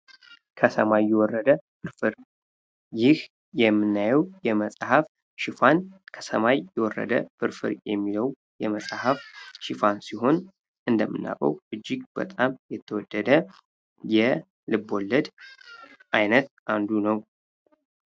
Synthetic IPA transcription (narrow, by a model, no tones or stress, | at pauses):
kʰəsəmajːɛwɔrːəd̪əfɨɾfɨɾ | jɪh | jɛmːɨnːajɛwjɛməsʼhaf | ʃɪfankʰə̥səmajːɛwɔrːə̰d̪ə̰fɨɾfɨ̰ɾjɛmːiləw | jɛməsʼahafʃɪfansiɦo̞n | ʔɨnd̪əmːɨnːa̰kʼə̰wʔɨd͡ʒːɪɡb̥ə̰t̪ʼamjɛt̪ʰːəwɔd̪ːəd̪ə | jɛ | lɨbːo̞lːəd̪ | ʔajnət̪̚ʔand̪unəw